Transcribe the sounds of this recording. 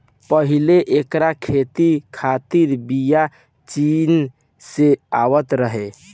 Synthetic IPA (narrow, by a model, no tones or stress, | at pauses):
pəɦileʔekɾakʰet̪ikʰat̪iɾbija | t͡ʃin | seaʋət̪ɾəɦe